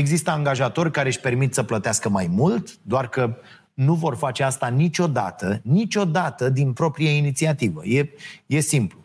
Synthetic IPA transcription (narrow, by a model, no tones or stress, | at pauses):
e̞ɡzist̪əaŋɡaʒat̪o̞rʲkaɾeʃʲpe̞rmit̪səplət̪easkəmajmult̪d̪oarkə | nuvo̞rfat͡ʃe̞ast̪anit͡ʃʲo̞d̪a̰t̪ənit͡ʃʲo̞d̪at̪əd̪inpɾo̞pɾijainit̪siat̪ivə̰je̞je̞simplu